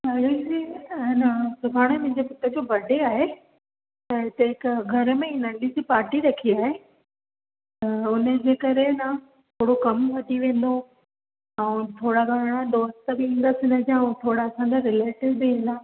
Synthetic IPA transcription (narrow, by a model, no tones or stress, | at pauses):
ɦɐɾid͡ʑinɐsʊbʱaːɽ̃emʊ̃ɦɪ̃ɲd͡ʑepɪt̪əd͡ʑoːbɐɖʱeaːɦe | t̪ɐɪt̪ɐɦɪkɡʱɐɾəmẽɪ̃nə̃ɳɖid͡ʑipaːɾʈiɾɐkʰiaːɦe | t̪ɐʊnəd͡ʑeːkɐɾenɐ | t̪ʰoːɽokɐmʋɐd̪ʱiʋẽːnd̪o | ɛ̃ːt̪ʰoːɽaɡʱaːɽ̃ad̪oːst̪əbɪĩːnd̪asɪnɐd͡ʑãũt̪ʰoːɽaɐsãɲd͡ʑaɾɪleːʈɪʋbɪĩn̆d̪aː